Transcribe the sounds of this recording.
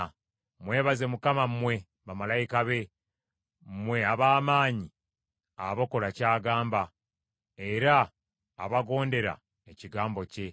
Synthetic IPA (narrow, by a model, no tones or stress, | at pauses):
mwe̞ːβaze̞mukamammwe̞ | βamalajikaβe̞ | mwe̞aβaːmaːɲi | aβoko̞lacaːɡaːmba | e̞ɾaː | βaɡo̞ːnde̞ɾa̰ | e̞ciɡaːmbo̞ce̞